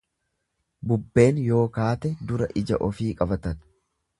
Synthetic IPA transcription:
bʊbːe̞ːnjo̞ːkaːt̪ɛd̪ʊɾɐʔɪd͡ʒɐ̰ʔɔfiːkʼɐbɐt̪ɐn

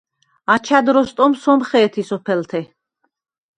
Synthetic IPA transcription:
at͡ʃʰad̪ɾɔst̪ʼɔmsɔmχɛːt̪ʰisɔpʰɛlt̪ʰɛ

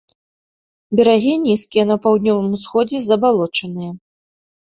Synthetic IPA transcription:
bʲɛɾaɣʲinʲiskʲijɐnɐpawd̪nʲɔvɨmsxɔd͡zʲɛzɐbalˠɔt͡ʂɐnɨjɐ

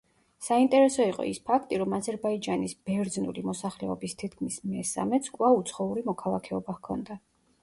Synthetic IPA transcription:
saint̪ʼɛɾɛsɔiqʼɔ̰ispʰakʰt̪ʼiɾɔmazɛɾbaid͡ʒanisb̥ɛɾd̪znṵlimɔsaχlɛɔbist̪ʰit̪̚ʰkʰmismɛsa̰mɛt̪skʼvaut̪sʰχɔuɾimɔkʰalˠakʰɛɔbakʰɔ̰nd̪a

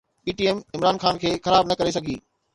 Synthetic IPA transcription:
piːʈiːɛmɪmɾaːnxaːnkʰeːxɐɾaːbnɐkɐɾesɐɡʱḭː

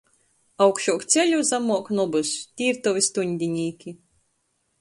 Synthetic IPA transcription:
awkʃuɔkt̪sʲelʲuzamuɔknɔbɨst̪ʲiːɾt̪ɔvʲist̪unʲd̪ʲinʲiːkʲi

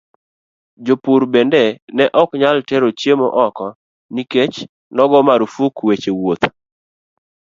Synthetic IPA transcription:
d͡ʒopuɾbendenɛʔɔkɲalteɾot͡ʃjemoʔɔkɔ | niket͡ʃ | nɔɡɔmaɾufukwet͡ʃewot̪

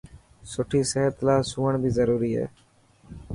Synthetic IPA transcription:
sʊʈʰiːseːɦət̪laːsuːəɳbʱiːzəɾuːɾiːɦɛ̰ː

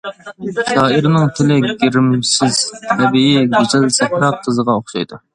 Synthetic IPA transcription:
ʃɑːiɾɪnɪŋt̪ʰɪlɪɡʲeɾɪmsɪz̥t̪ʰɛbijiɡʲet͡ʃʰɛlsɛpɾɑp̚qʰəzəʁɑoχʃɑjd̪u

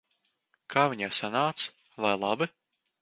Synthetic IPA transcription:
kʰaːviɲaːsanaːt̪s | vajlˠabi

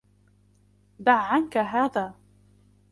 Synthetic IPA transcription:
d̪aʕːankaɦaːðaː

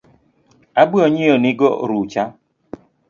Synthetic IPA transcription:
abuoɲioniɡɔɾut͡ʃa

